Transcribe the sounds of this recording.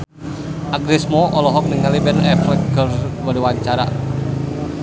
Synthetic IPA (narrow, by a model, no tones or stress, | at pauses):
ʔaɡɾɛsmɔʔɔlɔɦɔk̚niŋalibɛnɛflɛɡərbɔliwaɲt͡ʃaɾa̰